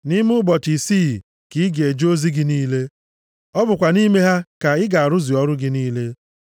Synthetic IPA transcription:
ni˦mʊ˦bɔ˨ti˨siː˦˨ | ki˨˦ɡe˨d͡ʒo˦zi˦ɡɪ˦niː˦le˦ | ɔ˦bʊ˨kʷa˨ni˦me˦ɦa˦ka˨ɪ˦ɡa˨a˨ɾʊ˦zi˨ɔ˦ɾʊ˦ɡɪ˦niː˦le˦

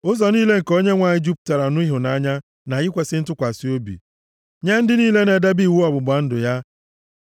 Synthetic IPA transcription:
ʊ˦zɔ˨niː˦le˦ŋ̩˨ko˦ɲe˦ŋʷa˨ɲɪ˦d͡ʒu˦p̚ta˨ɾa˨nʊ˦i˦ɦʊ˨na˦ɲa˦ | na˨jɪ˦kʷe˨sɪ˦n̩˦tʊ˦kʷa˨si˦o˦bḭ˨ | ɲa˦n̩˦dɪ˦niː˦le˦ne˨da˦bi˦˨wu˦ɔ˨bʊ˨ɡ͡ba˨n̩˦dʊ˨ja˦

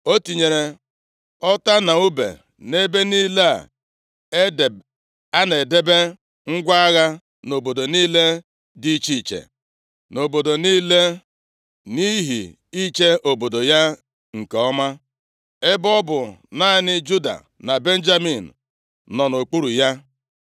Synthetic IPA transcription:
o˦ti˨ɲe˨ɾe˨ | ɔ˦ta˦na˨u˦bḛ˨ | ne˦be˦niː˦la̰˦˨ | e˦˨ | a˦ne˨de˦be˦ | ŋ̩˦ɡʷa˦a˦ɣa˦ | no˨bo˨do˨niː˦le˦ | di˦t͡ʃi˦˨t͡ʃḛ˨ | no˨bo˨do˨niː˦le˦ | ni˦ɦḭ˨ | i˦t͡ʃe˦ʔo˨bo˨do˨ja˦ | ŋ̩˨ke˨ɔ˦ma˦ | ɪ˦bɔ˦bʊ˨na˦nɪ˦d͡ʒu˦da̰˨ | na˨be˦n̩˦d͡ʒa˦mi˨n̩˨ | nɔ˨no˨k͡pu˦ɾu˨ja˦

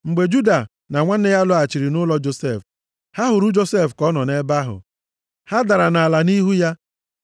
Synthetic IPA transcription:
ŋ͡m̩˨ɡ͡be˨d͡ʒu˦da˨ | na˨ŋʷa˦n̩˦e˦ja˦lʊ˦a˨t͡ʃi˨ɾi˨nʊ˦lɔ˦d͡ʒo˨se˦˨f | ha˦ɦʊ˨ɾu˦d͡ʒo˦se˦˨fkɔ˦nɔ˨ne˦ba˦ɦʊ̰˨ | ha˦da˨ɾa˨na˨a˨la˨ni˦ɦu˦ja˦

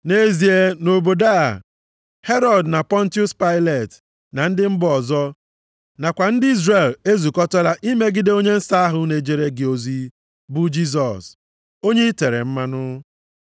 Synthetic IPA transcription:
ne˦zi˨e˦no˨bo˨da˦a̰˨ | he˦ɾɔ˦˨dna˨pɔ˦n̩˦tu˦spa˦ɪ˦le˨t | na˨n̩˦dɪ˦m̩˦bɔ˨zɔ˦ | na˨kʷa˨n̩˦dɪ˦i˦zre˨le˦zu˨kɔ˦tɔ˦ɾa˦ʔi˦me˦ɡɪ˦de˦o˦ɲe˦n̩˦sa˦a˦ɦʊ˦ne˨d͡ʒe˨ɾe˦ɡɪ˨o˨zi˦ | bʊ˦d͡ʒi˦z̬ɔ˨s | o˦ɲe˦i˦te˨ɾḛ˨m̩˦ma˦nʊ˦

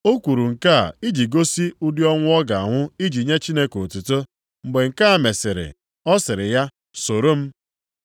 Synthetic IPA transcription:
o˦kʷu˨ɾu˨ŋ̩˨ka˦˨i˦d͡ʒi˨ɡo˦si˦u˦di˦ɔ˦ŋʷʊ˦ɔ˦ɡa˨a˨ŋʷʊ˦i˦d͡ʒi˨ɲe˦t͡ʃi˦ne˦ko˨tu˨to˦ | m̩˨ɡ͡be˨ŋ̩˨ka˦a˨me˨sɪ˨ɾɪ̰˨ | ɔ˦sɪ˨ɾɪ˨ja˦ | so˨ɾo˦m̩˦

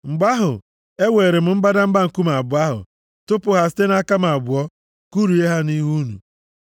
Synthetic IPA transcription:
ŋ͡m̩˨ɡ͡ba˦ɦʊ̰˨ | e˦we˨ɾe˨m̩˦m̩˦ba˦da˦m̩˦ɡ͡ba˦ŋ̩˨ku˦m˨a˨bʊ˨a˦ɦʊ̰˨ | tʊ˦pʊ˨ɦa˨sɪ̥˦te˦na˦ka˦m̩˨a˨bʊ˨ɔ˦ | ku˦ɾu˨e˦ɦa˦ni˦ɦu˦nṵ˨

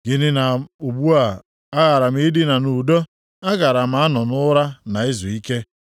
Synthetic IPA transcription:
ɡɪ˦nɪ˦na˨u˨ɡ͡bu˦a˨ | a˦ɣa˨ɾa˨m̩˦ɪ˦dɪ˦na˨nu˨do˦ | a˦ɣa˨ɾa˨m̩a˨˦a˦nɔ˨nʊ˦ɾa˦na˨ɪ˦zu˨i˦ke˦

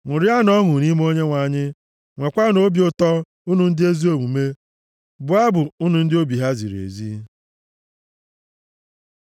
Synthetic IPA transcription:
ŋʷʊ˨ɾɪ˦a˦nɔ˦ɦʊ˨ni˦m˦o˦ɲe˦ŋʷa˨ɲɪ˦ | ŋʷe˨kʷa˦no˦bjʊ˦tɔ˦ | u˦nu˨n̩˦dɪ˦e˦zi˦o˨mu˨me˦ | bʊ˨a˦bʊ˨u˦nu˨n̩˦dɪ˦o˦bi˨ɦa˦zḭ˨ɾḛ˨zḭ˦

